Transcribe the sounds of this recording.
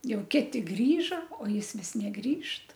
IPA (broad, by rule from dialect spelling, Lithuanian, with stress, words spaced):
ˈjɛʊ ˈkʲɪtʲɪ ˈɡrʲiːʒɐ oː ˈjɪs ˈʋʲɪs nʲɛˈɡrʲiːʃt